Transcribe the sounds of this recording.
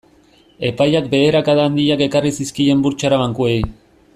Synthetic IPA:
e̞pajak̚be̞eɾakaðaːnd̪iake̞karisiskie̞mbuɾt͡ʃaɾaβaŋkue̞j

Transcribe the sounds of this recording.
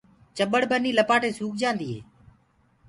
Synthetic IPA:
t͡ʃəɓəɽbəniːləpaːʈeːsuːk̚d͡ʒãːnd̪iːɦḛː

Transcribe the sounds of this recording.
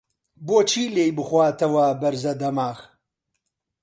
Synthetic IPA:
boːt͡ʃʰiːleːjbɨxwaːt̪ɐwɐbɐɾzɐd̪ɐmaːx

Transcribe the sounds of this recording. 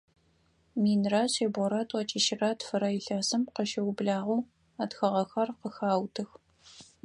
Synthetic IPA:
miːnraɕeːbɔɾatʰɐt͡ʃʼiʃɪrɐtfɨɾɐjɪɬɐsɨmqəʃɐwʊbɮaːʁuː | atxɐʁɐxɐrqəxaːwtʰɨx

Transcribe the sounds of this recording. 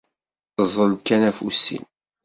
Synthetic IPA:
zˤəlkænæfusḭn

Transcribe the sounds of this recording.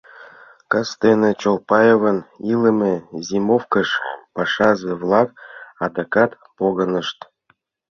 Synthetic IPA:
kɤ̆st̪enĕt͡ɕolˠpɑjevɤ̆nilɘ̆mʲezʲimofkə̆ʃpɑʂɑzĕvlˠɑkɑd̪ɑkɑt̪ | poɣɤ̆nɤ̆ʃt̪

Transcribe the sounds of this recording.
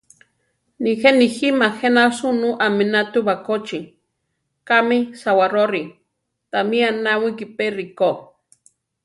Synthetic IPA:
nixeniximaxenasunuʔaminat̪ubakot͡ʃi | kamisawaɾoɾi | t̪amianawikiperiko

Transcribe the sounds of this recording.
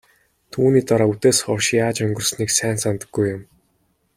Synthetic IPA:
t̪ʰuːniːt̪aɾaːut̪eːsχɔrʃaːt͡ɕɵŋɡɵ̆rsniːksæːnsant̪ə̥̆ɡːujʊm

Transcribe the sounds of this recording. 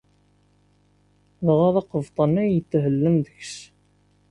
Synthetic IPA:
ðəʁɑðˤɑqəvt̪ˤənæjət̪ːɦəlːəmðəçs

